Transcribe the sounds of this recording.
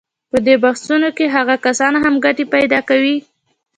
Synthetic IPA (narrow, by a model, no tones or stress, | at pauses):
pəd̪ebaxsunokeɦaɣakasɑnɦamɡaʈepajd̪ɑkawi